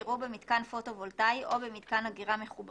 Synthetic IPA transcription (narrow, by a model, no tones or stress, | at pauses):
ʁubemidkanfo̞to̞voltajʔo̞bemid̪kanaɡiʁame̞χub